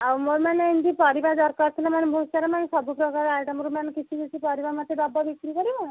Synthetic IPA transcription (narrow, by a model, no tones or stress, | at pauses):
awmoɾmaneind̪ipɔɾibaɾd̪ɔɾkaɾt̪ʰilamanebʱusaɾamanesɔbupɾɔkaɾaɭʈamoɾmanekit͡ʃʰiɡet͡ʃʰipɔɾibaɾmat̪ːebɔbabikɾikɔɾibɔ